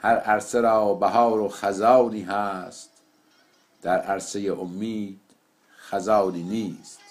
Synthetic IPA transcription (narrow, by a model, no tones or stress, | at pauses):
hæɾæɾseɾɑːbæɦɑːɾoxæzɑːwniːɦæst̪ | d̪̥æɾæɾsejeʔomːiːd̪̥ | xæzɑːniːniːst̪